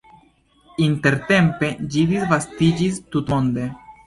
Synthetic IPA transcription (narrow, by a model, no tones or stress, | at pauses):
inte̞ɾte̞mpe̞d͡ʒid̪isvastid͡ʒist̪ut̪ond̪e̞